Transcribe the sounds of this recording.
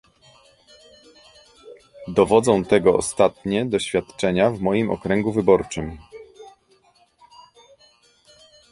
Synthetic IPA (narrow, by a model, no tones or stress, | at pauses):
d̪ɔvɔd̪zɔ̃w̃t̪ɛɡɔɔ̰st̪at̪ɲɛd̪ɔɕfʲjat̪t͡ʂɛɲavmɔjimɔ̰kɾɛŋɡuvɘbɔɾt͡ʂɘm